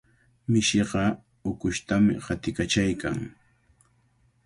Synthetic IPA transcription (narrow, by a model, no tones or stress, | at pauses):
mɪʃɪɢɑ | ʊkʊʃt̪amɪ̰hat̪ɪkat͡ʃajkaŋ